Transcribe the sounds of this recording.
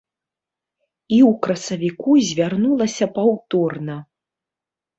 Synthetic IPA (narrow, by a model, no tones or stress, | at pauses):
iwkɾɐsɐvʲikuzʲvʲarnulˠɐsʲɐpawt̪ɔrnɐ